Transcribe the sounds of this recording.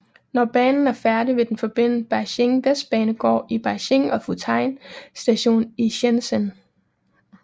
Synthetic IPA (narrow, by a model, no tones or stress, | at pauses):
nɒb̥ɛːnn̩æɐfæɐdiʋe̝d̥enfɒ̽b̥e̝n̰nəb̥ɑɕeŋd̥æsb̥ɛːnəɡ̥ɒ̰ːib̥ɑ̈ɕe̝ŋɒ̽fut͡sʰɑ̈ɪnsd̥æɕo̝̰ːniɕensən